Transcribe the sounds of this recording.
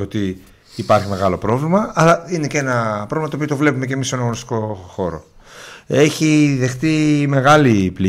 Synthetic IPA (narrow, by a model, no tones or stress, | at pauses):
ot̪iː | pɐɾçime̞ɣɐlo̞pɾo̞vlimɐːlɐine̞cee̞nɐpɾovimɐt̪opio̞t̪o̞vle̞pumecemisːenɐɣonist̪i̥ko̞xo̞ɾo̞̰ | e̞çiðe̞xt̪ime̞ɣɐlipli